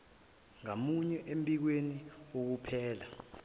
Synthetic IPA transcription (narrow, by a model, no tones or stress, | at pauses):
ŋamuɲɛʔempʼik̬weniok̬upʰɛːla